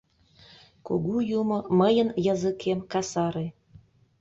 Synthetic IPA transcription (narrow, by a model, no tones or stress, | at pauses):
kṵɣujumoməjənjɑzəkʰemkɑsɑɾe